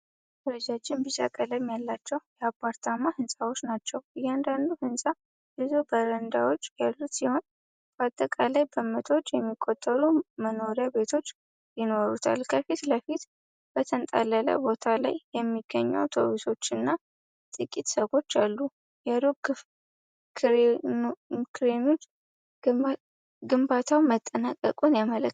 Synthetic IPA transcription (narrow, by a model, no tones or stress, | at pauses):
ɾəd͡ʒad͡ʒɪmbit͡ʃa̰kʼələmjalːat͡ʃːɛwjɛapʰʼːaɾt̪ʰamahɨnsʼawo̞t͡ʃːnat͡ʃːɛwjɛand̪and̪uhɨnsʼa | bɨzobəɾənd̪awo̞t͡ʃːjalːusiho̞n | b̥at̪ʼːəkʼalajbəmət̪ʰwot͡ʃʼːjɛmːikʼːot̪ʼːəluməno̞ɾjabe̞t̪ʰo̞t͡ʃː | jɪno̞ɾut̪ʰa̰lkʰəfit̪ləfit̪ | b̥ət̪ʰənt̪ʼa̰lələ̰bo̞t̪ʰala̰jjɛmːiɡ̥ːəɲːɛ̰wt̪ʰo̞̰wiso̞t͡ʃːɨnːa | t̪ʼɨkʼːit̪səɡo̞t͡ʃːalːu | jad̪okʰ | kʰɨɾemo | ɡɨmbat̪ʰawmət̪ʼːənakʼːəkʼunjamələ